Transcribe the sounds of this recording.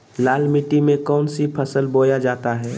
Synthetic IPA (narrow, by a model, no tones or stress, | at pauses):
laːlmiʈimẽkɔːnsipʰəsəlboːjad͡ʒaːt̪aɦɛː